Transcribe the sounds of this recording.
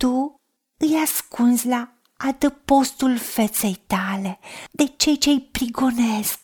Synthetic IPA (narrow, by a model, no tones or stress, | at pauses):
t̪u | ɨjaskunsʲla | ad̪əpo̞st̪ulfe̞t̪se̞jt̪ale̞d̪e̞t͡ʃe̞jt͡ʃe̞ɨjpɾiɡo̞nesk̚